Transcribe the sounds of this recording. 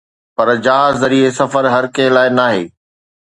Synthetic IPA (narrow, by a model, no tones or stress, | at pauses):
pɐɾd͡ʑaːɦzːɐɾiesɐfəɾɦɐɾkɐ̃ɦɪ̃laːɪnaːɦḛː